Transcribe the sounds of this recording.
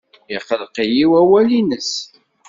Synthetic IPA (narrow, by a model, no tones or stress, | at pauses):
jəqːəlqijiwæwælinəs